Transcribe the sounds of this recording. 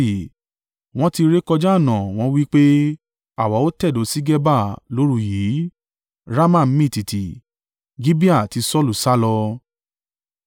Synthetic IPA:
w̃ɔ̃˦ti˧ɾe˦kɔ˧d͡ʒa˦˨nã˨w̃ɔ̃˦wi˦k͡pe˦ | a˦˨wa˨˦o˦tɛ˦˨do˨˦si˦ɡɛ˦ba˦˨lo˦ɾu˦ji˨˦ | ɾa˦mã˦˨m̩˦mĩ˦˨ti˨ti˨ | ɡi˦bi˦a˦˨ti˧sɔ˦˨lu˨sa˦lɔ˧

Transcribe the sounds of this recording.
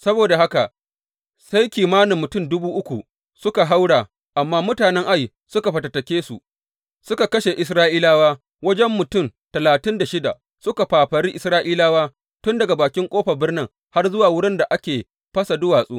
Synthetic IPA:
sɐ˦boː˨da˨ɦa˦ka˨ | sa˦jkʲiː˨maː˦nɪ˨mːʊ˨tʊ˦˨mdʊ˦buː˦ʔʊ˦kʷu˨ | sʊ˦ka˨ɦa˦wɽaː˨ | ʔa˨mːaː˦mʊ˦taː˨nɛ˦ŋʔa˦j | sʊ˦ka˨ɸɐ˨tɐ˨tɐ˨kʲeː˦su˨ | sʊ˦ka˨kɐ˦ʃe˨ʔɪ˨s̬ɾaː˦ʔiː˦laː˦waː˦ | wɐ˦d͡ʒɛ˦mːʊ˨tʊ˦˨mtɐ˨laː˨tɪ˦nda˨ʃɪ˦da̰˨ | sʊ˦ka˨ɸaː˨ɸɐ˨ɽiː˦ʔɪ˨sɾaː˦ʔiː˦laː˦waː˦ | tʊ˦ndɐ˨ɡa˨baː˨kʲɪ˦ŋkʷʼoː˦ɸɐ˨bɪ˦rnɪ˦ŋ | ha˦rzʊ˦waː˨wʊ˦ɽɪ˦nda˨ʔa˦kʲeː˨ | ɸɐ˦sa˨dʊ˦waː˨sʼuː˦

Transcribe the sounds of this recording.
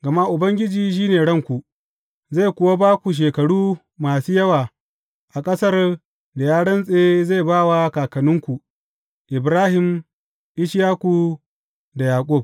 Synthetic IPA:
ɡɐ˨ma˦ʔʊ˨bɐ˦ŋɡʲɪ˦d͡ʒiː˨ʃ̬iː˦neː˨ɽɐ˦ŋkʷu˨ | za˦˨jkʷʊ˦wa˦baː˦kʷu˨ʃ̬eː˨kɐ˨ɽuː˦ | maː˨suː˦jɐ˦waː˨ | ʔa˨kʼɐ˦sɐ˦r | da˨jaː˦ɽɐ˦nsʼeː˦za˦˨jbaː˦˨wa˦kaː˨kɐ˨nʊ˦ŋkʷu˨ | ʔɪ˨bɾaː˦hɪ˨m | ʔɪ˦ʃjaː˦ku˨ | da˨jaː˨kʷʼʊ˦˨b̚

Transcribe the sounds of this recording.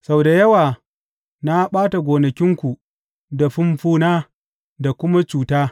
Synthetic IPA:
sa˦wda˨jɐ˦waː˨ | na˦ɓaː˦ta˨ɡʷoː˨nɐ˨kʲɪ˦ŋkʷu˨ | da˨ɸʊ˦mɸuː˦naː˦ | da˨kʷʊ˦ma˦t͡ʃuː˨taː˦

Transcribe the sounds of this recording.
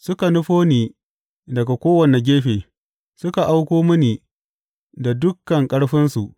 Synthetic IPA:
sʊ˦ka˨nʊ˦ɸoː˦niː˨ | dɐ˨ɡa˨kʷoː˦wɐ˨ne˨ɡʲeː˦ɸeː˨ | sʊ˦ka˨ʔa˦wkʷoː˦mɐ˦niː˨ | da˨dʊ˦kːɐ˨ŋkʼɐ˦ɽɸɪ˦nsu˨ʔ

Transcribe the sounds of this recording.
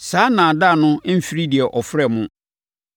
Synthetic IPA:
saː˨˦nã˨da˦˨nʊ̃˦m̩˦fi˦ɾi˦di˨ɛ˨ʔɔ˨fɾɛ˦˨mʊ̃˦

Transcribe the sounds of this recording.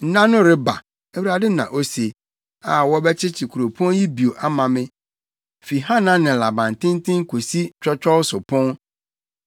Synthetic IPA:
n̩˦nã˦nʊ̃˦ɾɪ˦ba̰˨ | ɛ˦wu˦ɾa˨dɪ˦nã̰˨ʔo˦se˨ | a˨wɔ˦bɛ˦t͡ɕʰɪ˦t͡ɕʰi˨kʰu˨ɾo˨pʰɔ̃˦nji˦bi˨o˨ʔa˦mã˨mɪ̃˦ | fi˨ɦa˦nã˦nɪ̃˨la˨bã˨n˨tʰɪ̃˦n˦tʰɪ̃˦ŋ˦kʰo˨si˦t͡ɕᶣɔ˦t͡ɕᶣɔ˦sʊ˨pʰɔ̃˦n

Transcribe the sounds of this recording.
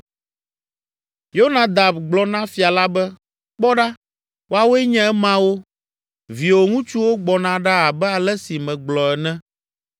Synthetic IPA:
jo˦nã˨d̪a˨bɡ͡blɔ˨nã˦fi˨a˨la˦bɛ˦ | k͡pɔ˦ɖa˦ | wo˦a˦˨wo˦ɛ˦ɲɛ̃˦ɛ˦mã˦wo˦ | vi˨wo˨ŋũ˦t͡ʃu˦wo˦ɡ͡bɔ˨nã˨ɖa˦a˨bɛ˦a˨lɛ˦si˨mɛ̃˨ɡ͡blɔ˨ɛ˨nɛ̃˦

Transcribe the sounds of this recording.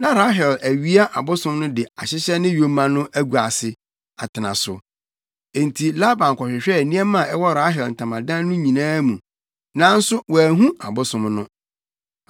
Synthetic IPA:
nã˦ɾa˦ɦɛ˨læ˨ɥi˦a˦ʔa˨bʊ˦sʊ̃˦mnʊ̃˦dɪ˨a˨ɕɪ˦ɕɛ˦nɪ̃˦jo˨˦mã˦nʊ̃˦ʔæ˦ɡu˨a˨sɪ˨ | a˨tʰɪ˨nã˨sʊ̰˨ | e˨n˨tʰi˨la˦bã˨ŋ˨kʰɔ˨ɕᶣɪ˨ɕᶣɛ˦˨nĩ˦ɛ˦mã˦˨ɛ˦wɔ˦ɾa˦ɦɛ˨ln̩˨tʰã˨mã˨dã˦nʊ̃˦ɲĩ˨nãː˦mũ˨ | nã˦n̩˦sʊ˦wa˨æ˨ɦũ˦a˨bʊ˦sʊ̃˦mnʊ̃˦

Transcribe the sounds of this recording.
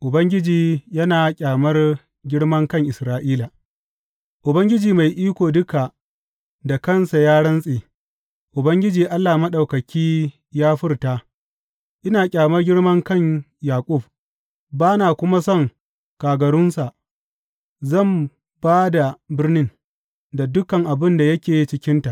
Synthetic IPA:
ʔʊ˨bɐ˦ŋɡʲɪ˦d͡ʒiː˨jɐ˦naː˨kʲʼaː˨mɐ˦r | ɡʲɪ˦ɽmɐ˦ŋkɐ˦ŋʔɪ˨sɾaː˦ʔiː˦la˨ | ʔʊ˨bɐ˦ŋɡʲɪ˦d͡ʒiː˨ma˨jʔiː˦kʷoː˨dʊ˦ka˨ | da˨kɐ˦˨nsa˨jaː˦ɽɐ˦nsʼeː˨ | ʔʊ˨bɐ˦ŋɡʲɪ˦d͡ʒiː˨ʔa˦lːaː˨mɐ˦ɗa˨wkɐ˨kʲiː˦ | jaː˦ɸɪ˦rtaː˦ | ʔɪ˦naː˨kʲʼaː˨mɐ˦rɡʲɪ˦ɽmɐ˦ŋkɐ˦˨ɲ | jaː˨kʷʼʊ˦˨b̚ | baː˦naː˨kʷʊ˦ma˦sɔ˦˨ŋ | kaː˨ɡɐ˨ɽʊ˦nsa˨ʔ | zɐ˦˨m | baː˦da˨bɪ˦rnɪ˦n | da˨dʊ˦kɐ˨ŋʔa˨bɪ˦nda˨jɐ˦kʲeː˨ji˦t͡ʃɪ˦kʲɪ˦nta˨ʔ

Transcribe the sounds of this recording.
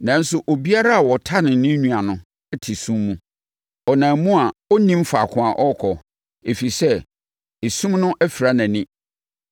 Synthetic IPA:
nã˨n̩˦sʊ˨ʔo˨bi˦a˦ɾa˦a˨wɔ˨tʰa˦nɪ̃˨nɪ̃˦ɲũ˦˨a˨nʊ̃˦ | ɛ˦tʰi˨sũ˦mːũ˦ | ɔ˨nã˨mũ˦a˨ɔ˦nĩ˦m˦fa̰˨kʰʊ̃˨a˨ʔɔ˦kʰɔ˨ | e˨fi˨sɛ˦ | e˨sũ˦mnʊ̃˦ʔæ˦fi˨ɾa˦nã˨nɪ̃˦

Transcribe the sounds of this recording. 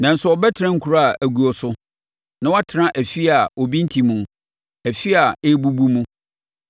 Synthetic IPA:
nã˨n̩˨sʊ˦ɔ˨bɛ˦tʰɪ˨ɾã˦ŋ̩˨kʰu˨ɾa˦a˨ʔæ˨ɡu˨ɔ˨sʊ˦ | nã˦wa˦tʰɪ˨ɾã˦ʔæ˨fi˦a˨ɔ˨bĩ˦n̩˦tʰi˨mũ˨ | æ˨fi˦a˨e˦bu˦bu˦mũ˦

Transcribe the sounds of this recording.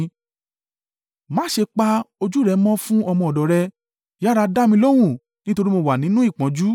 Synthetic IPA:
mã˦ʃe˧k͡pa˧o˧d͡ʒu˦˨ɾɛ˨˦mɔ̃˦fũ˦ɔ˧mɔ̃˧˨ɔ˨dɔ˨ɾɛ˧ | ja˦ɾa˧da˦mĩ˧lo˦w̃ũ˦˨ | nĩ˦to˧ɾi˦mo˧wa˨nĩ˨˦nũ˦i˦˨k͡pã˨˦d͡ʒu˦

